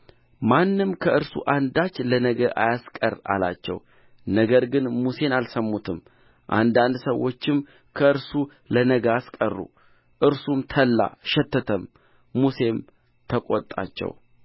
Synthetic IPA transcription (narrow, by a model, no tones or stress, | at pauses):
manːɨmkʰəʔɨɾsṵʔand̪at͡ʃːlənəɡəʔa̰jaskʼərːa̰la̰t͡ʃːɛ̰w | nəɡəɾɡɨnmuse̞nalsəmːut̪ʰɨm | ʔa̰nd̪and̪səwo̞t͡ʃːɪm | kʰəɨɾsu | lənəɡəaskʼərːṵ | ʔɨɾsumt̪ʰəlːa̰ʃɛt̪ːət̪ʰəmː | use̞m | t̪ʰəkʼot̪ʼːa̰t͡ʃːɛ̰w